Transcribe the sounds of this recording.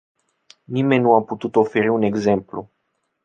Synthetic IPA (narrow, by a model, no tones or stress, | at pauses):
nime̞nʲnːuaput̪ut̪o̞fe̞ɾiune̞ɡze̞mplṵ